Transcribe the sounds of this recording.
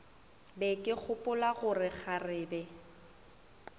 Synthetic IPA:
bɛkʼɪk͡xʰʊpʼʊlaɣʊrɪk͡xʰarɪːbɛ

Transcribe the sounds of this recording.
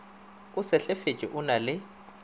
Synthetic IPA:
ʊsɪɬefet͡ʃʼɪ̰ʔʊnalɪ

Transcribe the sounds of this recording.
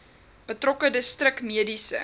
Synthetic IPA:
b̥ətrɔkədəstrəkmiədisə̰

